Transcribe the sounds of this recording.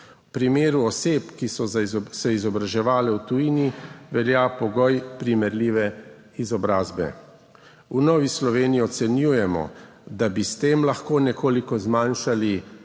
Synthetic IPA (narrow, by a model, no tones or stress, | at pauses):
wpɾimeːɾuɔseːpkisɔzsɛizɔbɾaʒɛʋaːlɛwt̪ujiːniʋɛljaːpɔɡɔjpɾimɛɾliːʋɛ | izɔbɾaːzbɛ̰ | unɔːʋislɔʋeːniiɔt̪sɛnjuːjɛmɔ̰ | d̪abist̪eːmlaxkoːnɛkoːlikɔzmanʃali